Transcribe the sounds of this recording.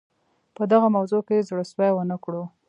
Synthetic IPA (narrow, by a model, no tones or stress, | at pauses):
pəd̪aɣamawzokezɽəswajwənəkɽo